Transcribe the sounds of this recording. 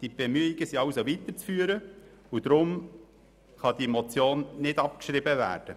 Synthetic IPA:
d̥ib̥emyəiɡ̥əsiɑwsoʋit̪əɾt͡sfyːəɾə | ud̪̥ɾʊm | χɑd̥̪imot͡sjoːnnɪd̥ɑp̚kʃɾɪbəvæ̰ːɾd̥ə

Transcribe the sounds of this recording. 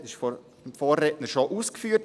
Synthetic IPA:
ɪʃfo | mfoːrretnəʃoʔuːskfyːət

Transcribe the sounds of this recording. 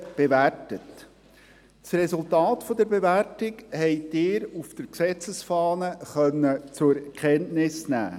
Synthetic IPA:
b̥eværtət | srɛsultɑːtfɔd̥əɾbevæɾtɪɡhɛɪd̥ɪːɾufd̥əɾksɛt͡səsfɑːnəχœnːət͡sʊɾkʰχɛntnɪsnæ̰ː

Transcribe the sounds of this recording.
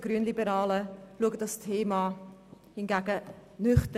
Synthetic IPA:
ɡ̥ɾyənlibəɾɑːləluəɡədɑstʰeːmɑ | hɪnɡæːɡənʏχtə

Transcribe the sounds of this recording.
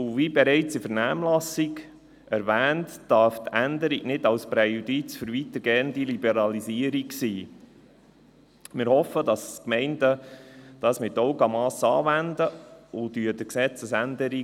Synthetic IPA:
ʊvibɛɾɛɪt͡sifəɾnæːmlɑsiɡ | ɛɾʋæːntd̥ɑɾftænd̪əɾiɡnɪdɑlspɾɛjudit͡sføɾʋit̪əɾɡ̥ɛːnd̪ilibɛɾɑlisiəɾiksiː | mɪːɾhɔfədɑskmɛɪndəd̥ɑːsmɪtːɔʊɡɑmɑːsɑ̰ːvændəʊd̪yːəd̥əksɛt͡səsændəɾi

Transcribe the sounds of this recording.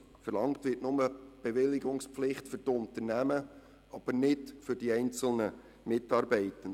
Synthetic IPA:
fəɾlɑŋktʋɪtnʊməb̥eʋɪlːɪɡʊŋspflɪχtfʏɾtʊnt̪ənæmə | ɑb̥əɾnɪdfʏɾd̥iɛɪnt͡sl̩nə | mɪtɑːɾbɛɪtən

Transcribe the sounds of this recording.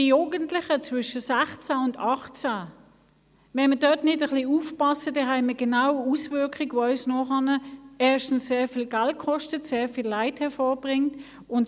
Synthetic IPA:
ijuːɡəntlɪχət͡svʏʃəsæχt͡saʊndɑχt͡sa | mɛnmədœtnɪdəχliufpɑsədɛɦæɪməɡ̥enawusvʏɐkχɪɡʋoœʏsnɔχɑnəɛɐʃtn̩sseːfiːlɡalt̚kʰɔʃtətseːɐfiːlːaɪthɛɐfɔːb̥ʁɪŋt | ʊnt

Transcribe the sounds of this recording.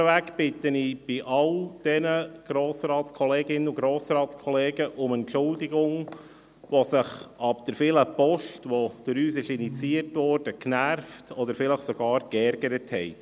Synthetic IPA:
əʋækb̥ɪtːənib̥ɪʔɑld̥ɛnəɡ̥ɾoːsɾɑːtt͡skʰɔleːɡɪnːəuɡɾoːsɾɑːtt͡skʰɔleːɡəʔʊmɛntʃʊldiɡʊŋ | ʋɔsɪχɑbd̥̪əɾfɪləpɔʃtʋɔd̥øɾyːsɪʃinit͡siərtʋɔrd̥əknæɾftʰɔd̪əɾfɪləχsɔɡ̥ɑːɾkɛɾɡ̥əɾəthɛɪ

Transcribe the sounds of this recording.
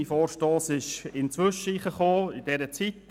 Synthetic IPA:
ifoːɾʃtoːsɪʃɪnt͡sʋʏʃəiχəχoːɪdɛɾət͡sit̪

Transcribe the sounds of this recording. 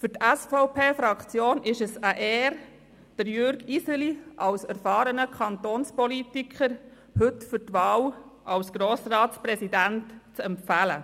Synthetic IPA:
fʏɾtæsfɔʊpʰeːfɾɑkt͡sjoːnʔɪʃəsəʔɛːɾ | d̥əɾjøɾɡisəliʔɑwsæɾfɑːɾənəkʰɑntoːnspɔlitikʰχəɾ | hɵtfʏɾtʋɑːlʔɑwsɡ̥ɾoːsɾɑːtspɾɛsidæntt͡sɛmfælə̰

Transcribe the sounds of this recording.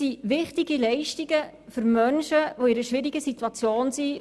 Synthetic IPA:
iʋɪχtiɡilɛɪʃtiɡ̥ə | fʏɾmœnʃəʋoɪɾəʃʋɪɾiɡəsit̪wɑt͡sjoːnsi

